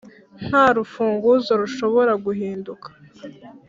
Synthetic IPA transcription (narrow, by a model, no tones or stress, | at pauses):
n̥haːɾufuːŋɡuzoɾuʃo̞βo̞ɾaɡuɦiːndukʰḁ